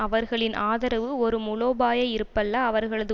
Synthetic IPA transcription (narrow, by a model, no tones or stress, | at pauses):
ɐʋɐɾɣɐɭɪnʔaːðɐɾɐʋɯɔɾɯmʊɭoːbaːjɐɪɾɯpːɐlːaːʋɐɾɣɐɭɐðɯ